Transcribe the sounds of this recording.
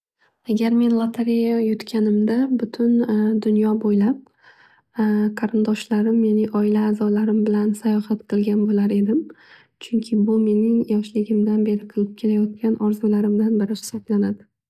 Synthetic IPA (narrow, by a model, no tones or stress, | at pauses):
aɡʲaɾme̞nlˠat̪ʰaɾejajʊt̪kʲʰanɪmd̪abʊt̪ʰʊnd̪ʊnjɒbojlap̚ | qʰɑɾɪnd̪ɒʃlaɾɪmmenɪʔɒɪlaːzɒlaɾɪmbɪlansajɒhat̪qʰɨlˠɡʲanbolaɾe̞d̪ɪm | t͡ʃʰʊŋkʲʰɪbʊme̞nɪŋjɒʃlɪɡʲɪmd̪anbe̞ɾɪqʰɨlˠɪp̚kʲʰe̞lajɒt̪̚kʲanʔɒɾzulaɾɪmd̪anbɪɾɪhʊ̥sːat̪lanad̪ɪ